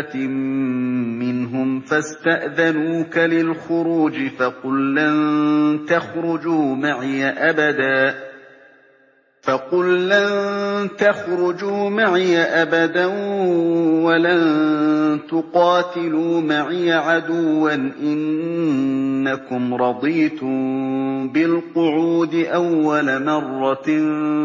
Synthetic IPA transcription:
ɪnɦʊmfast̪aʔðanuːkalɪlxʊɾuːd͡ʒɪfɑqʊlːant̪axɾʊd͡ʒuːmaʕjaʔabad̪aː | fɑqʊlːant̪axɾʊd͡ʒuːmaʕɪjaʔabad̪an | walan | t̪ʊqɑːt̪ɪluːmaʕɪjaʕad̪ʊwːanʔɪn | akʊmɾˤɑd̪ˤiːt̪ʊmbɪlqʊʕuːd̪ɪʔawːalamɑrˤːɑ

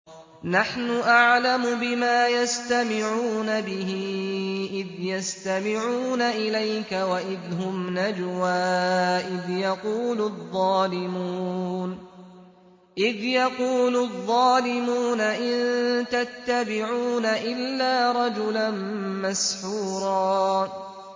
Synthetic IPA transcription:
naħnʊʔaʕlamʊbɪmaːjast̪amɪʕuːnabɪɦɪʔɪðjast̪amɪʕuːnaʔɪlajkawaʔɪðɦʊmnad͡ʒwaːʔɪðjɑquːlʊðˤːɑːlɪmun | ʔɪðjɑquːlʊðˤːɑːlɪmuːnaʔɪnt̪at̪ːabɪʕuːnaʔɪlːaːɾˤɑd͡ʒʊlanmasħuːɾˤɑː

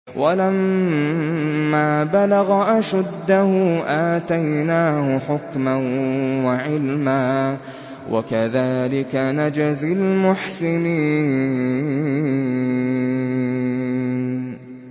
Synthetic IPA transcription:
walam | aːbalaɣaʔaʃad̪ːahʊːʔaːt̪ajnaːhʊħʊkmanwaʕɪlmaː | wʔa̰kaðaːlɪkanad͡ʒazɪlmʊħsɪniː

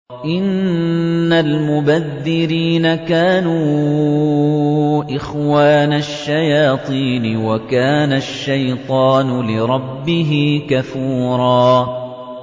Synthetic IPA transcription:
ʔɪnː | almʊbaðːɪɾiːnakaːnuː | ʔɪxwaːnaʃːajaːt̪ˤiːnɪwakaːnaʃːajt̪ˤɑːnʊlɪɾˤɑbːɪɦɪːkafuːɾˤɑː

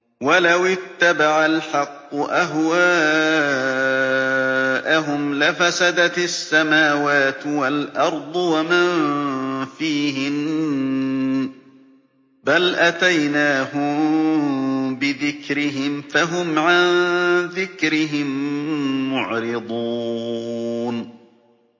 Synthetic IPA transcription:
walawɪt̪ːabaʕalħɑqːʊʔaɦwaː | ʔaɦʊmlafasad̪asːamaːwaːt̪walʔɑɾˤd̪ˤwama | fiːhɪm | balʔat̪ajnaːhʊ | bɪðɪkɾɪɦɪmfaɦʊmʕanðɪkɾɪɦɪmː | ʊʕɾɪd̪ˤuː | n

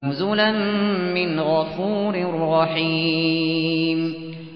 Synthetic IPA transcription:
ʊzʊlanːɪnɣɑfuːɾrˤːɑħi | m

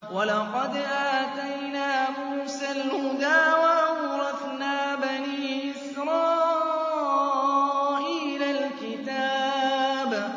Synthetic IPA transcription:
wɑlɑqɑd̪ʔaːt̪ajnaːmuːsalhʊd̪aːwaʔɑwɾˤɑθnaːbaniːʔɪsɾˤɑː | ʔiːlalkɪt̪aːb

